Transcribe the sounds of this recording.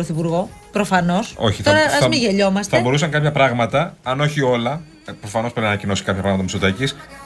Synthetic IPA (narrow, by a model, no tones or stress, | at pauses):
ɾoθipuɾɣo̞pɾofɐno̞so̞çiθoɾɐzɐmiʝeʎo̞mɐstθɐeɐbo̞ɾusɐŋkɐpçɐpɾɐɣmɐt̪ɐɐno̞çio̞lɐ | pɾo̞fɐnopeinɐnɐcino̞si̥kɐpçɐpɾɐɣmɐt̪ɐmisot̪ɐcis